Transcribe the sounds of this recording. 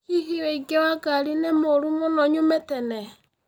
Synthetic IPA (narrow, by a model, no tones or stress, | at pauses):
iɦiweiɡewaɡaɾinemoɾumonɔɲometɛne